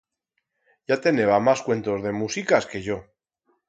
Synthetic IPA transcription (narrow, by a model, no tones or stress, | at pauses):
ʝat̪e̞ne̞βamaskwe̞nt̪ozðe̞musikaske̞ʝo̞